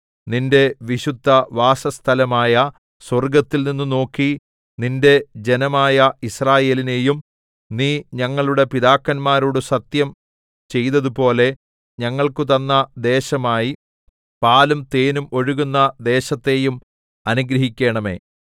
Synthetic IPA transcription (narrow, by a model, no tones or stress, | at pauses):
ninde̞ʋiɕud̪ʱːɐʋaːsɐst̪ʰɐlɐmaːjɐ | swɐrɡɐt̪ːilninːuno̞ːkːi | ninde̞d͡ʑenɐmaːjɐisraːje̞ːline̞ːjum | niːɲɐŋːɐɭuɽe̞piðaːkːɐnmaːɾuɽɨsɐt̪jɐm | t͡ɕe̞jðɐðupo̞ːle̞ | ɲɐŋːɐɭkɨt̪ɐnːɐd̪e̞ːɕɐmaːji | paːlumt̪e̞ːnumo̞ɻuɣunːɐd̪e̞ːɕɐt̪ːe̞jum | ɐnuɡɾɐɦikʲːe̞ːɳɐme̞̰ː